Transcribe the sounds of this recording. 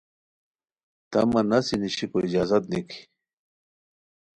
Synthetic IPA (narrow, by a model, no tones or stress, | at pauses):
t̪ɐmɐnɐsiniɕikoid͡ʑaːzat̪̚nikʰi̥